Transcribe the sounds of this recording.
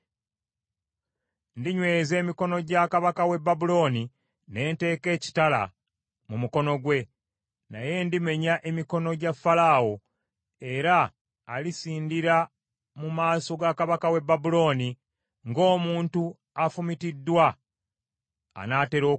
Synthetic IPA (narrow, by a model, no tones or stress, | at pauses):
ndiɲwe̞ːze̞ːmiko̞no̞ɟakaβakawe̞bːabulo̞ːni | ne̞ːnte̞ːke̞ːci̥tala̰ | mumuko̞no̞ɡwe̞ | naje̞ndime̞ɲaʔe̞miko̞no̞ɟafːalawo̞ | e̞ɾaː | lisiːndiɾa | mumaːso̞ɡakaβakawe̞bːabulo̞ːni | ŋɡo̞ːmuːntu | afumitidːwa | naːte̞ɾo̞ː